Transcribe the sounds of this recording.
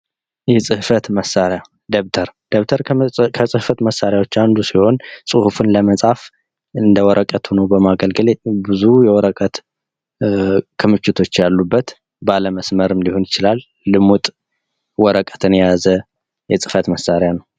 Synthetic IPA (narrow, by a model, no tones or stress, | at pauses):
jɛsʼɨhfət̪məsːaɾja | d̪eβt̪ʰəɾd̪eβt̪ʰəɾkʰəsʼɨhfət̪məsːaɾjawo̞t͡ʃːand̪usiho̞nsʼɨhufɨnləməsʼaf | ɨnd̪əwɔɾʔəkʼət̪ʰunəwbəmaɡəlɡɨlebɨzujɛwɔɾəkʼət̪ | kʰɨmɨt͡ʃːɪt̪ʰo̞t͡ʃːjalːubːət̪ | baləməsməɾɨmliho̞njɪt͡ʃɪlalː | ɨmut̪ʼ | wɔɾəkʼə̥t̪ʰɨnjjazə | jɛsʼɨ̥fət̪məsaɾjanəw